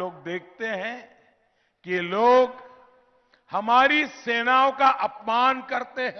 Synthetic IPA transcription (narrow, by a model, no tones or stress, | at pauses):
oːɡ̚d̪eːk̚ʰt̪eɦɛ̃ | kiloːɡ | hɐmaːɾiseːnaːõkaʔɐpmaːnkɐɾt̪eɦɛ̃